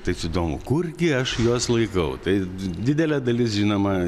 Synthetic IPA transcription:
t̪ɐɪsɪd̪oːmʊ̰kʊrɡʲɪɐʃjoːslˠɐɪkɐʊt̪ɐɪd̪ʲɪd̪ʲɛlʲɛd̪ɐlʲɪsʒʲinoːmɐ

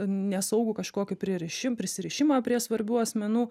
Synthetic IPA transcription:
nʲɛsɐʊɡʊkɐʃkoːkʲɪpʲɾʲiɛɾʲɪʃʲɪmpʲɾʲɪsʲɪɾʲɪʃʲɪmaːpʲɾʲiɛsʋɐɾʲbʲuːɐsʲmʲɛnuː

